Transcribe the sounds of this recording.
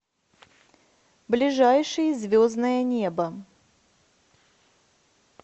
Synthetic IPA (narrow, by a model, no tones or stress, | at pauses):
blʲɪʐajʂɨjəzʲvʲoznəjənʲebə